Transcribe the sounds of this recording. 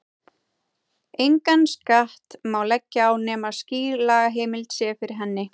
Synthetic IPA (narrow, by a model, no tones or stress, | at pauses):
ejŋkanskaht̪maːwlɛcːɪawnɛːmasciːɾlaːɣaɦeːjmɪlt̪sjɛːfɪɾɪɾɦɛnːɪ